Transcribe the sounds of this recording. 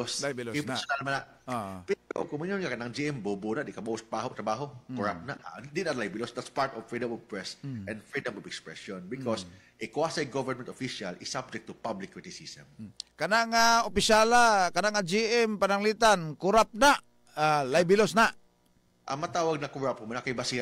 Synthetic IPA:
ospsnalmanaʔ | pɪnko̰kʊmunjonkakɐnaŋd͡ʒiʔɛmbobunaʔd̪ɪʔkamowst̪baɦot̪ɾɐbaːɦokʊɹa̰p̚naʔad̪inalajbɪlɔsd̪at̪spaɹt̪ɔvfɹidɐmɔvpɹɛsʔɛ̃ndfɹidɐmɔvɛkspɹɛ̰sɔ̃nbɪkɔs | ʔekʊasajɡovəɹmɛ̃nt̪ofiʃalʔɪsːab̚d͡ʒɛk̚t̪ːʊpablɪkːɹit̪ɪsisɛmkanaʔŋaopɪʃalakanaʔŋad͡ʒiʔɛmpanaŋlit̪ankʊɾap̚naʔ | alajbɪlosnaʔ | ʔa̰mat̪aːwaɡ̚nakʊɹap̚ʊmanakajbasia

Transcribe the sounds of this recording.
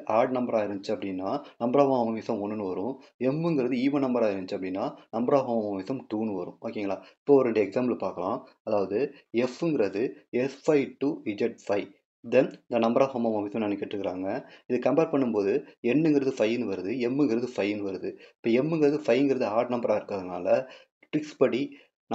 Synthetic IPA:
ʔaːɾɽnɐmbɐɾaːɪɾnd͡ʒt͡ʃːɐpːɐɽɪnːaːnɐmbɐɾaːʋamɐʋɐmɪsɐmɔnːɯnɯʋɐɾʊ̃ɛmːɯŋɡɪɾɐðɯiːʋɐnɐmbɐɾaːɪɾɯnd͡ʒt͡ʃːɯɐpːɐɽɪnːaːnɐmbɐɾaːɦɐmɐmɐmɪsɐmʈuːnːɯʋɐɾɯ̰̃oːkːŋɡɐlaːɪpːoːɔɾɛɳɖɐjɐɛɡsaːmblpaːɾkɐlã̰ː | ɐðaːʋɐðɯɛfɯŋɡɪɾɐðɯɛfɐɪʈuɪd͡ʒɛʈ̚fɐɪ | d̪ɛnɪnd̪ɐnɐmbɐɾaːɦomɐmɐmʋɪsɐmnɐnːɛkːɪʈːrɾɯkːɪɾaːŋɡɐɪðɯkɐmbeːɾpɐɳːɯmpoːðɯɛnːɯŋɡɪɾɐðɯfɐjɪnɯʋɐɾɯðɯɛmːɯŋɡɪɾɐðɯfɐjɪnːɯʋɐɾɯðɯɪpːoːɛmːɯŋɡɪɾɐðɯfɐɪɯŋɡɪɾɐðɯaːʈnɐmbɐɾaːɪɾɯkːaːðɯnaːlɐ | ʈɾɪkspɐɽi | n

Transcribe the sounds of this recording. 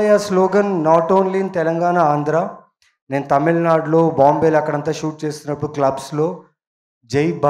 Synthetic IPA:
jaːsloːɡɐnːaːʈoːnliːnt̪ɛlɐŋɡaːnaːaːnd̪ʱɾaː | ne̞ːnɐt̪ɐmilnaːɖlo̞ːbaːmbeːlɐkːɐɽɐnt̪aːʃuːʈ̚t͡ʃeːst̪unːɐpːuɽuklɐbslo̞ː | d͡ʒejb

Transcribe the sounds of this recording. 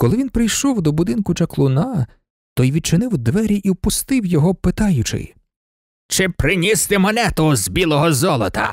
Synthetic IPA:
kɔlˠɪʋʲinpɾɪjʃɔwd̪ɔbʊd̪ɪnkʊt͡ʃɐklˠʊnɑ | t̪ɔjʋʲid̪̚t͡ʃɪnɪwd̪ʋɛɾʲiʔiwpʊst̪ɪwjɔɦɔpɪt̪ɑjʊt͡ʃɪ̰j | t͡ʃɪpɾɪnʲist̪ɪmɛnɛt̪ʊzbʲilˠɔɦɔzɔlˠɔt̪ɐ̰

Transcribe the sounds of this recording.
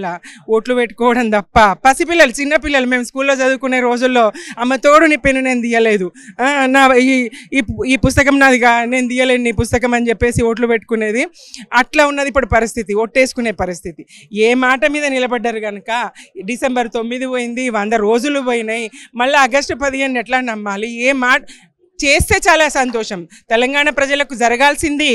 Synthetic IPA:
aoːʈlupeʈːu̥kɔːʋɐɽɐmt̪ɐpːɐpɐsipilːɐlut͡ʃinːɐpilːɐlume̞ːmskuːlːo̞ːd͡ʒɐd̪ukunːeːɾo̞ːd͡ʒulːo̞ːɐmːɐt̪oːɽunipenːune̞ːnd̪ijːɐle̞ːd̪unaːi | iːpust̪ɐkɐmnaːd̪iɡaːne̞ːnud̪ijɐleːnnipust̪ɐkɐmɐnit͡ʃepːe̞ːsioːʈ̬lupeʈːu̥kune̞ːd̪i | ɐʈlaːunːɐd̪ipːuɽupɐɾist̪ʰit̪ioːʈːe̞ːsu̥kune̞ːpɐɾist̪ʰit̪ieːmaːʈɐmiːd̪ɐnilɐbɐɖːaːɾuɡɐnukɐɖisembɐɾt̪o̞mːid̪iʋoːjind̪iʋɐnd̪ɐɾo̞ːd͡ʒuluʋoːjinɐjmɐlːaːɡɐsʈpɐd̪iɦeːnːɛʈlaːnɐmːaːlieːmaːʈɐ | t͡ʃe̞ːst̪e̞ːt͡ʃaːlaːsɐnt̪ɔːʂɐmt̪ɛlɐŋɡaːɳɐpɾɐd͡ʒɐlɐkud͡ʒɐɾɐɡaːlsind̪i

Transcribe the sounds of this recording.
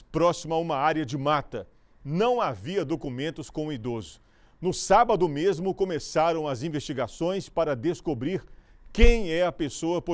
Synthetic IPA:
pɾɔsimɐũmɐaɾjɐd͡ʒɪmat̪ɐ | nɐ̃w̃aviɐd̪okumẽnt̪ʊskõʊid̪ozʊ | nʊsabɐd̪ʊmezmʊkõmesaɾɐ̃w̃ɐzĩvest͡ʃiɡasõj̃spaɾɐd̪eskobɾiɾ | kẽj̃ɛɐpesoɐpo

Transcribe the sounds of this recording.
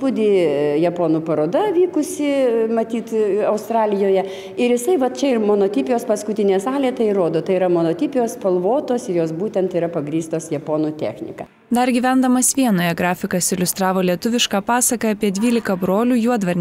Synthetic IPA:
pʊd̪ʲiːjɛpoːnuːpɐɾoːd̪ɐʋʲiːkʊsʲɪmɐt̪ʲiːt̪ɐʊst̪ɾɑːlʲɪjoːjɛ | ɪɾjɪsɐɪʋɐt̪̚t͡ʃʲɛɪɾmoːnoːt̪ʲɪpʲɪjoːspɐskʊt̪ʲɪnʲesɑːlʲeːt̪ɐɪiɾoːd̪oːt̪ɐɪiɾɐmoːnoːt̪ʲɪpʲɪjoːspɐlˠʋoːt̪oːsɪɾjoːsbuːt̪ʲɛnt̪iːɾɐpɐɡɾʲiːst̪oːsjɛpoːnuːt̪ʲæ̰ːxʲnʲɪ̰kɐ̰ | d̪ɐɾɡʲiːʋʲɛnd̪ɐmɐsʋʲiɛnoːjɛɡɾɑːfʲɪkɐsɪlʲʊst̪ɾɑːʋoːlʲiɛt̪ʊʋʲɪʃkɑːpɑːsɐkɐɐpʲiɛd̪ʲʋʲiːlʲɪkɐbɾoːlʲuːjuɔd̪ʋɐɾʲnʲ

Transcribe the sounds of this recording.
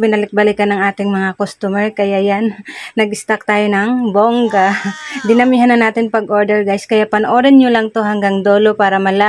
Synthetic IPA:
bɪnɐlɪk̚bɐlɪkɐnɐŋʔaːt̪ɪŋmɐŋakost̪umɛɹkɐjajanːɐɡɪst̪ak̚t̪aːjonɐŋboŋɡad̪ɪnɐmiɦanɐnaːt̪ɪnpɐɡʔoɹd̪ɛɹɡajskɐjapɐnʔoːɾɛnɲolaŋt̪oɦaŋɡaŋd̪oːlopaːɾɐmɐla

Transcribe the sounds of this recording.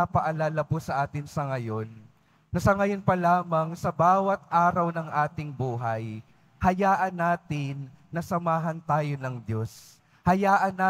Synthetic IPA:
apɐʔɐlaːlɐposɐʔaːt̪ɪnsɐŋɐjo̞nː | ɐsɐŋɐjonpɐlaːmɐŋsɐbaːwɐt̪̚ʔaːɾɐwnɐŋʔaːt̪ɪŋbuːɦɐj | hɐjaːʔɐnːaːt̪ɪnː | ɐsɐmaːɦɐnt̪aːjo̞nɐŋd̪jo̞s | hɐjaːʔɐnaː

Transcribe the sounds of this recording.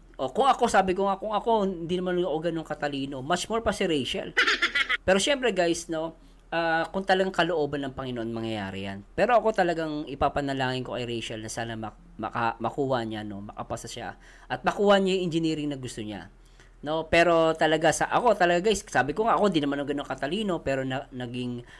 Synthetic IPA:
ʔo̞kʊŋɐko̞saːbɪkoŋakʊŋɐko̞ɪnd̪inɐmanɐkoɡɐnoŋkɐt̪ɐliːno̞mat͡ʃmoɹpɐsɪɾɛjʃɐ̰lpɛːɾo̞ʃɛmpɾɛɡajsno̞ | ʔaːkʊŋt̪ɐlɐɡaŋkɐloʔo̞ːbɐnːɐŋpɐŋɪnoʔonmɐŋjɐja̰ːɾɪ̰ja̰npɛːɾo̞ʔɐko̞t̪ɐlɐɡaŋɪpapɐnɐlaːŋɪnko̞kɐjɾɛjʃɐlnɐsaːnɐmɐ | mɐ̰ka̰mɐkuːhɐɲano̞mɐka̰pɐsɐʃa̰ | ʔɐt̪̚mɐkuːhɐɲajʊŋʔɪnd͡ʒɪniːɾɪŋnɐɡʊst̪oɲa̰ | no̞pɛːɾo̞t̪ɐlɐɡasaʔɐko̞t̪ɐlɐɡaɡajssaːbɪkoŋaʔɐkond̪inɐmanːoŋɡɐnoŋkɐt̪ɐliːno̞pɛːɾo̞nɐnɐɡɪŋ

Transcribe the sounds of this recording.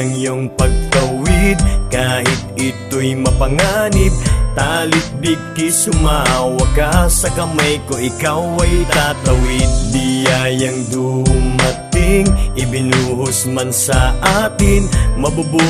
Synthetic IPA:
ŋjoŋpɐɡ̚t̪ɐwid̪̚kaːhɪt̪̚ɪt̪ojmɐpɐŋanɪb̪̚t̪aːlɪt̪̚biɡ̚kisʊmawɐkasɐkɐmajkoʔɪkawɐjt̪at̪ɐwid̪̚bijajɐŋd̪uhʊmɐt̪ɪŋɪbɪnuːɦʊsmɐnsɐʔaːt̪ɪnmɐbubu

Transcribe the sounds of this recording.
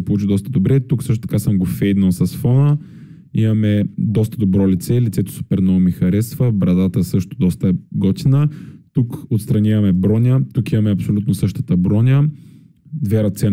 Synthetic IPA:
polˠut͡ʃid̪ɔst̪əd̪obɾɛt̪uksɤʃt̪ot̪ɐkasəmɡofɛjd̪nɐlˠsɐsfɔnə | imɐmɛd̪ɔst̪əd̪obɾɔlit̪sɛlit̪sɛt̪ʊ̥su̥pɛɾnomixɐɾɛst̪vəbɾɐd̪at̪əɛsɤʃt̪od̪ɔst̪əɡɔt̪ʲinət̪ukot̪st̪ɾɐnʲavɐmɛbɾɔnʲət̪ukimɐmɛɐpsolʲut̪nosɤʃt̪ət̪əbɾɔnʲə | d̪vɛɾɐt̪sɛ

